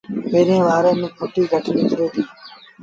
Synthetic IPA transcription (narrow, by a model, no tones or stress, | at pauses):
meːɾẽːʋaːɾẽːmẽːpʰoːʈiːɡʱəʈnĩːkɾeːt̪ʰiː